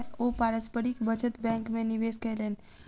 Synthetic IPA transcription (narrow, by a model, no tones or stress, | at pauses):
opaɾəspəɾikbət͡ʃʰət̪bɛ̃ŋkmeniʋeskəlen